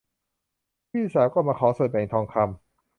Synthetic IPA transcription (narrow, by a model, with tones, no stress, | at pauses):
piː˥˩˨saː˨˦wkɔː˥˩maː˧kʰɔː˩˦so˨˩pa˨e˧˩t̪ʰɔː˧ŋkʰa˧m